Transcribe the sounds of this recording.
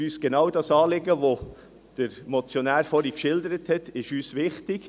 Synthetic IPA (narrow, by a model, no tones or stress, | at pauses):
yːsɡ̥enɑwdɑsɑːlɪɡəʋo | d̥əɾmot͡sjonæːɾfɔɾikʃɪldəɾəthɛtɪʃyːsʋɪχtɪɡ̥